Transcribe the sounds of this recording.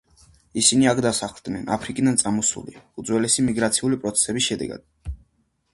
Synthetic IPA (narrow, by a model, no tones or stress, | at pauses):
isiniakʰd̪asaχlˠd̪nɛna̰pʰɾikʼid̪ant̪sʼamɔsṵlḭud̪zwɛlɛsimiɡɾat̪sʰiulipʼɾɔt̪sʰɛ̥sɛbisʃɛd̪ɛ̰ɡa̰d̪̥̚